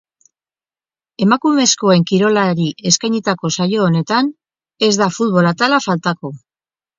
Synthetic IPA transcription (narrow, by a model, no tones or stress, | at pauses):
e̞makume̞sko̞e̞ŋkiɾo̞laɾie̞skajɲit̪ako̞sajo̞ːne̞t̪an | e̞zd̪afut̪̚βo̞lat̪alafalt̪ako̞